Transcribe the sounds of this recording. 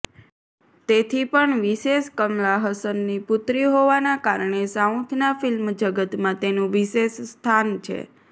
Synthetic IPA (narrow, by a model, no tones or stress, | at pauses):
t̪et̪ʰipəɳʋiʃeʃkəmlaɦəsənːipʊt̪ɾiɦoʋanakaɾɳesaũt̪ʰnafilmd͡ʒəɡət̪mãt̪enũʋiʃeʃst̪ʰant͡ʃʰḛ